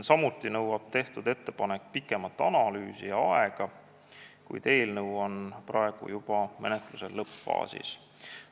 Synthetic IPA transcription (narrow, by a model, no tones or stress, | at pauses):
sɑmut̪ˑːinɤwɑb̥t̪e̞ht̪ud̪e̞t̪ːe̞pɑne̞kːpikːˑe̞mɑt̪ːˑɑnɑlyːsijɑɑeɡ̥ɑ | kṵjd̪̥e̞ːlnɤwonprʔɑe̞ɡ̥ṵjub̥ɑme̞̰net̪ˑluse̞lːɤpfɑ̰ːsḭs